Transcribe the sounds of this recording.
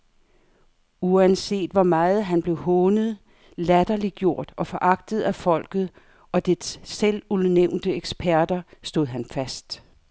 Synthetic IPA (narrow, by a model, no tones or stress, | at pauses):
uænse̝̰ːd̥ʋɒmɑ̈ːð̞̩ˠɦænb̥le̝ʊhɔːnəð̞̩ˠ | læd̥ɐliɡ̥jo̝ɐ̰d̥ɒ̽fɒ̽ʔɑ̈ɡ̥̚d̥ð̩ˠæfɒ̽l̰ɡ̥ð̞̩ˠ | ʔɒ̽d̥eselulˠneʊ̰nd̥əeɡ̥sb̥ʰæɐd̥ɐsd̥o̝ð̩̰ˠɦænfæsd̥